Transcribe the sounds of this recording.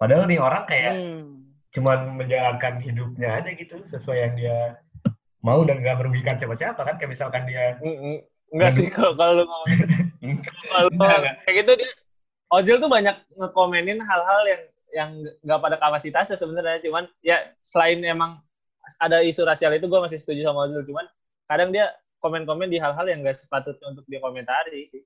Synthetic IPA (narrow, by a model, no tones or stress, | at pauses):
padaənioɾaŋkaja | t͡ʃumanməɲd͡ʒaɾankanhidup̚ɲaːd͡ʒaɡit̪usəsuajaŋdia | maudanŋɡaʔməɾuɡikansiapasiapakankaabisalkandia | ŋɡaikakalumau | akalaɡakaakit̪udia | ozɪlt̪̬ubaɲak̚ŋəkomɛnɪnɦalɦaljaŋ | jaŋɡaʔpadakamasit̪asasəbənarɲat͡ʃumanjasəlaɪnemaŋ | adaisuɾasialit̪̬uɡuamas̬ɪhsə̥t̪ud͡ʒusamaozɪlt͡ʃuman | kadaŋdia | komɛnkomɛndiɦalɦaljaŋɡaʔsə̥pat̪ʊt̪̚ɲaunt̪̬ʊk̚diakoment̪aɾisɪh